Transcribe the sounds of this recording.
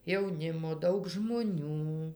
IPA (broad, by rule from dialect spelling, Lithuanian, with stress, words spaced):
jɛʊˈnʲɪmoː ˈdɐʊk ʒmoːˈnʲuː